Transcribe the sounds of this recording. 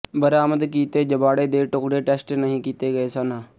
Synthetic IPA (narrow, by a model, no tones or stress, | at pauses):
bəɾaːməd̪kiːt̪eːd͡ʒəbaːɽeːd̪eːʈʊkɽeːʈɛːsʈnəɦĩːkiːt̪eːɡəeːsənaː